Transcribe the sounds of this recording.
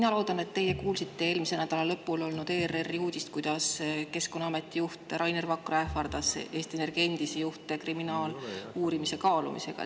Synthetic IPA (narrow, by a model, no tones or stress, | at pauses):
minɑlo̞ːd̪ɑne̞t̪ːe̞jekuːlsit̪ːee̞ːlmisenæd̪̥ɑlɑlɤpːˑulo̞lnud̪̥e̞ːrerːiuːd̪̥ʲist̪̚kujd̪̥ɑske̞skonːɑɑme̞t̪ʲːˑijuht̪eɾɑjnervɑkːroefɑrd̪̥ɑsʔe̞ːst̪iene̞rɡ̥e̞nʲd̪̥isejuht̪e̞kriminɑːluːɾimise̞kɑːlṵmḭse̞̰ɡ̥ɑ̰